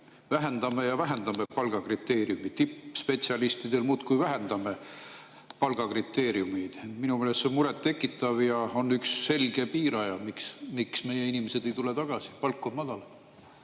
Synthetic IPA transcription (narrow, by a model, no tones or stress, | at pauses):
væɦe̞nd̪̥ɑme̞jɑvæɦe̞nd̪ɑme̞pɑlɡ̥ɑkrit̪ːeːɾiumit̪ːipːspe̞t̪siɑlist̪id̪e̞lmuːt̪kujvæɦe̞nd̪̥ɑme̞ | pɑlɡ̥ɑkrit̪ːˑe̞ːɾiumijd̪̥enminumeːlestːseomuɾet̪ːe̞kːˑit̪ːˑɑvjɑo̞nːyksːe̞lɡ̥e̞piːɾɑjɑmiksmiksme̞je̞inimesed̪e̞jt̪ulet̪ɑɡ̥ɑsi̥pɑlkːˑomɑd̪̥ɑl